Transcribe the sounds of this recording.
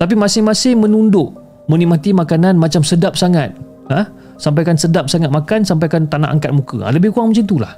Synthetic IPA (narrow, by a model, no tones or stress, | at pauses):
t̪ap̬imasɪŋmasɪŋmə̃nundʊʔ | mə̃nimat̪imakananmat͡ʃamsədap̚saŋat̪̚ | a | samp̬ajkansədap̚saŋat̪̚makansamp̬ajkant̪ana̰ʔa̰ŋkat̪̚mukəa̰ləbɪhkuɾaŋmut͡ʃint̪ula̰h